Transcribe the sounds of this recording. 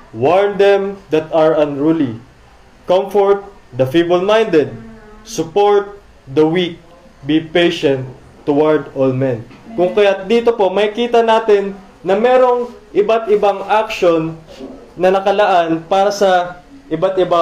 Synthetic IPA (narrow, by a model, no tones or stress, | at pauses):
waɹnd̪ɛmd̪ɐt̪ɐɹɐnɹuli | kɐmfoɹt̪̚ | d̪ɐfibɐlmajnd̪ɛd̪̚sʊpo̞ɹt̪̚ | d̪ɐwik̚ | bipejʃɛ̃nt̪ː | ʊwaɹd̪olmɛ̃nkʊŋkɐjat̚d̪iːt̪o̞po̞mɐɪkiːt̪ɐnaːt̪ɪnː | ɐmɛɾo̞ŋʔɪbat̪ɪbaŋʔak̚ʃo̞nː | ɐnɐkɐlɐʔanpaːɾɐsɐʔɪbat̪ɪba